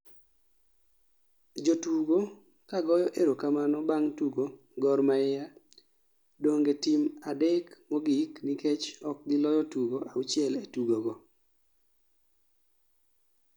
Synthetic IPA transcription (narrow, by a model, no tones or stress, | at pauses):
d͡ʒotuɡo | kaɡɔjɔʔeɾokamanɔbaŋtuɡo | ɡɔrmaɪja | doŋɡetimadekmɔɡikniket͡ʃɔk̚ɡɪlɔjɔtuɡoʔaʊt͡ʃɪɛletuɡoɡɔ